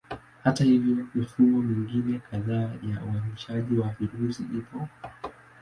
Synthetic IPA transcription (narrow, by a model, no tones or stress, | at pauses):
hatahivjɔmifumɔmiŋɡinɛkaðaːja̰uaɾiiʃaʄiwaviɾusiʔipɔ